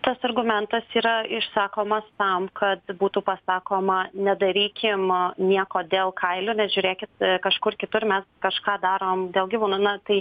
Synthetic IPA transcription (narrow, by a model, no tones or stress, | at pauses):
t̪ɐsɐrɡʊmʲɛnt̪ɐsiːɾɐɪʃsɑːkoːmɐst̪ɐmkʰɐt̪buːt̪upɐsɑːkoːmɐnʲɛd̪ɐɾʲiːkʲɪmnʲiɛkoːd̪ʲeːlˠkʰɐɪlʲʊːnʲɛʒʲʊɾʲeːkʲɪt̪kɐʃkʊrkʲɪt̪ʊrmʲɛskɐʃkɑːd̪ɑːɾoːmd̪ʲeːlˠɡʲiʋuːnuːnɐt̪ɐɪ